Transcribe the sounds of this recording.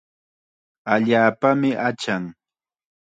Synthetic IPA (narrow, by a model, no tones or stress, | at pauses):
aʎaːpamɪʔat͡ʃaŋ